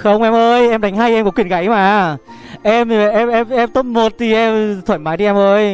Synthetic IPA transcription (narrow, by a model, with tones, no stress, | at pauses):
xə˧wŋ͡mʔɛ˧mʔəː˧jʔɛ˧mɗa˨˦jŋ̟ɦaː˧jʔɛ˧mkɔ˨˧˦kwḭ˧˩ənɣa̰˨˦jmaː˨˩ | ʔɛ˧m˨˩ʔɛ˧mʔɛ˧mʔɛ˧mt̪o˦˥t̚mo˨˩t̚t̪ʰi˨˩ʔɛ˧mt̪ʰwə˧˩nmaː˨˦jti˧˨ɛ˧mʔəː˧j